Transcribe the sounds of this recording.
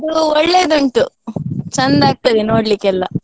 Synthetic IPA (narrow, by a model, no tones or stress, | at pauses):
ɐd̪uɔɭːeːd̪uɳʈut͡ʃɐnd̪aːɡ̚t̪ɐd̪eno̞ːɽlikːɛlːɐ